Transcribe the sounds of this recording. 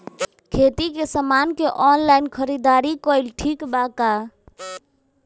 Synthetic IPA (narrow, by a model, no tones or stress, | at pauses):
kʰet̪ikesəmankeʔɔːnlaɪnkʰəɾid̪aːɾikoɪlʈʰikbaka